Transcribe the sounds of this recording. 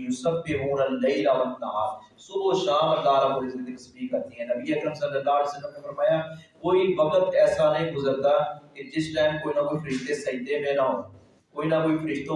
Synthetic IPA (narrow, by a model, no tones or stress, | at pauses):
jʊsɐbːɪɦuːnəlːɐɪlaʋənːɐɦaːɾ | sʊboːʃaːməlːaːɾaboɾɪzt̪iɾɐsbikɐɾt̪iɦɛ̃ːnɐbiːɐkɾəmsɐlːəlːaːɦleːsəlːəmnefɐɾmaːjaːkoːiʋɐkət̪ɛːsaːnɐ̃ɦĩɡʊzəɾt̪aːked͡ʒɪsʈɛːmkoːinaːkoːifʰɐɾɪʃt̪esɐd̪emẽnaɦõː | koːinaːkoːiːfʰɐɾɪʃt̪õ